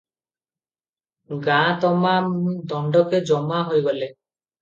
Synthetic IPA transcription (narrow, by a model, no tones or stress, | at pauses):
ɡãt̪ɔmamuid̪ɔɳɖɔked͡ʒɔmaɦojɡɔle